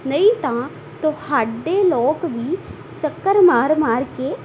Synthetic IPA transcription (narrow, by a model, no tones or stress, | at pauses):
nəĩːt̪ãː | t̪ʊhaːɖeːloːkʋiː | t͡ʃəkːəɾmaːɾmaːɾkeː